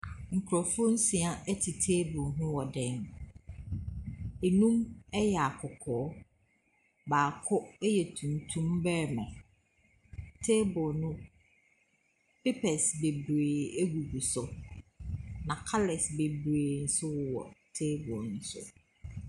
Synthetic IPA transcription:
ŋ̩˨kʰɾɔ˨fʊ˦n̩˦si˨a˦ɛ˦tʰi˨tʰeː˦bʊ˨ɦʊ̃˦wɔ˨dɛː˦m | e˨nũ˦mɛ˦jɛ˨a˨kʰʊ˨kʰɔː˨˦ | baː˨kʰʊ˦ɛ˦jɛ˨tʰũ˨n˨tʰũ˦mbɛː˦˨mã˨ | tʰe˦bʊ˨nʊ̃˦ | pe˦pʰɛ˨sbe˨bɾeː˨e˦ɡu˨ɡu˨sʊ˨ | nã˨kʰa˦lɛ˨sbe˨bɾeː˨n̩˨˦sʊ˦wʊ˦wɔ̰˨tʰeː˦bʊ˨n̩˦sʊ̰˦

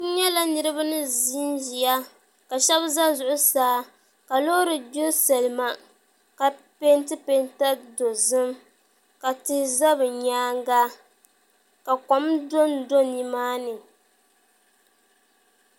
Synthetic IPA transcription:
n̩˦ɲɛ˦la˦nɨ˦ɾɨ˦ba˦nɨ˦zi˦n˦ʒi˨ja˦ | ka˨ʃɛ˦bza˦zʊ˨ʔʊ˦saː˦ | ka˨lo˦ɾɨ˨bo˦sa˨lɨ˨ma˨ | ka˨ | pe˦ntɨ˦pe˦nta˦do˨zɨ˦m | ka˨tɪ˦hɪ˦za˦bɨ˨ɲaː˦ŋ˦ɡa˦ | ka˨ka˨˦mdo˦ndo˦nːi˦maː˦nɨ˨

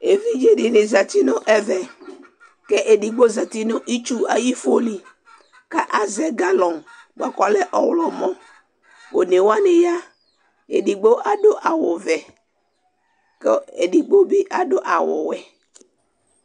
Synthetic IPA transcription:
e˨vi˦d͡ʒe˦ɖi˨ne˨za˨t̪i˦nõ˦ʔɛ˦vɛ˨ | kɛ˦ʔe˨ɖi˨ɡ͡bo˦za˨t̪i˦nõ˦ʔi˦t͡ʃu˦a˨ji˦fo˦li˨ | ka˦ʔa˦zɛ˨ɡa˦lɔ̃˨ŋɡ͡ba˨kɔ˨lɛ˦ʔɔ˨wlɔ˨mɔ̃˦ | wo˨ne˨wa˦nẽ˦ja˦ | e˨ɖi˨ɡ͡bo˦ʔa˦ɖo˦ʔa˨wo˨vɛ˨ | ke˦e˨ɖi˨ɡ͡bo˦bi˦ʔa˨ɖo˦ʔa˨wo̰˨wɛ˨

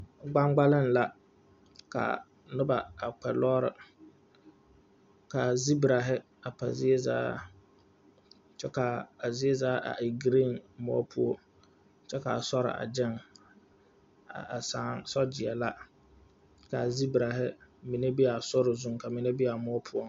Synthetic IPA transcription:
ɡ͡ba˦ŋɡ͡ba˦lɪ˦n˨la˦ | ka̰˨ | nʊ˦ba˨a˨k͡pɛ˨lɔː˦ɾɪ˨ | ka˨zi˦bɾa˨ɦɪ˦ | a˨pa̰˨zɪ˦e˦za̰ː˦ | t͡ʃɛ˦ka˨a˨zɪ˦e˦zaː˦ʔa̰˨ʔi˨ɡɾi˦˨nmɔ̰˦pʰʊ˦o˦ | t͡ʃɛ˦ka˨a˨sɔ˦ɾɪ̰˨ʔa̰˨d͡ʒɪ˦ŋ˨ | a˨sa˦ŋsɔ˦d͡ʒɪ˨ɛ˨la˦ | ka˨zi˦bɾa˨ɦɪ˦mi˨ne˦bi˦a˨sʊ˦ɾɪ˨zu˦ŋ˨ka˨mi˨ne˦bi˦a˨mɔ˦pʰʊ˦o˦

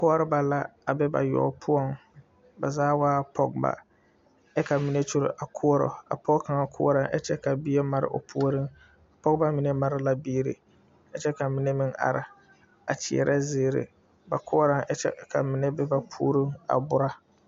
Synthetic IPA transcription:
kʊ˦ɔ˦ɾɨ˦ba˨la˦a˨bɛ˦ba̰˨jɔ̰˨pʰʊ˦ɔ˦ŋ | ba˨zaː˦waː˦pʰɔ˦ɡ̚ba̰˨ | ɛ˦ka˨mi˦ne˦t͡ʃu˦ɾ̰ʔa˨kʰʊ˦ɔ˦ɾɔ̰˨a̰˨pɔ˦ɡka˨ŋa˦kʰʊ̰˦ɔ˦ɾa˦ŋʔɛ̰˦t͡ʃɛ˦ka˨bi˦ɛ˦ma˦ɾɪ̰˦ʔo̰˨pʰu˦o˦ɾɨ˦ŋ˨ | pɔ˦ɡba˦mi˨ne˦ma˦ɾa˦la˦biː˦ɾḭ˨ | ɛ˦t͡ʃɛ˦ka˨mɪ˦nɛ˦mɪ˦ŋa̰˨ɾɪ˨ | a̰˨t͡ʃɪ˨ɛ̰˨ɾʔa˦zɪː˦ɾɪ̰˨ | ba˨kʰʊ˦ɔ˦ɾa˦ŋɛ˦t͡ʃɛ̰˦ka̰˨mɪ˨nɛ˦bɛ˦ba˦pʰṵː˦ɾi˦ŋa̰˨bʊ˦ɾa˦

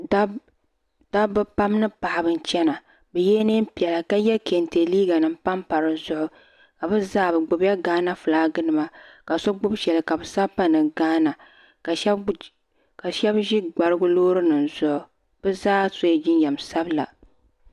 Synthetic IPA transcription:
d̥a˦bɨ˦pa˦mnɨ˦pa˨ʔa˨bɨ˨n̩˨t͡ʃɛ˦na˨ | bɛ˨jɛ˦ne˦m̩˦pi˨ɛ˨la˨ka˦jɛ˦ke˨nte˨liː˦ɡa˨nɨ˨m˦pa˦mpa˨ɾɨ˨zʊ˦ʔʊ˦ | ka˨bɨ˦zaː˦bɨ˨ɡ͡bʊ˨bja˦ɡaː˦na˦fɨ˨laː˨˦ɡɨ˦nɨ˨ma˦ka˨so˦ɡ͡bʊ˦bʃɛ˨lɨ˨ka˨bɨ˨sa˦pa˦nɨ˨ɡaː˦na˨ | ka˨ʃ | ka˨ʃɛ˦bʒi˦ɡ͡ba˨ɾɨ˦ɡʊ˦loː˦ɾɨ˦nɨ˨nzʊ˦ʔʊ˨ | b̥ɛ˦zaː˦so˦˨d͡ʒɪ˦njɛ˨msa˦bla̰˨

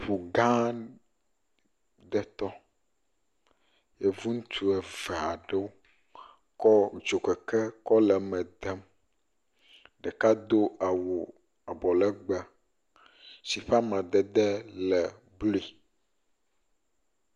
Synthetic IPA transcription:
ɸu˨ɡã˦ | d̪ɛ˦t̪ɔ˦ | jɛ˦vu˦ŋũ˦t̪ʰu˦ɛ˨vɛ˨a˨ɖɛ˦wo˦ | kɔ˦ŋ̩˨t͡ʃo˨kɛ˨kɛ˦kɔ˦lɛ˨mɛ̃˨d̪ɛ˦m | ɖɛ˨ka˦d̪o˦ʔa˨wu˨ | a˨bɔ˨lɛ˦ɡ͡bɛ˦ | si˨ɸa˦mã˨d̪ɛ˦˨d̪ɛ˦lɛ˨ | blo˦i˨

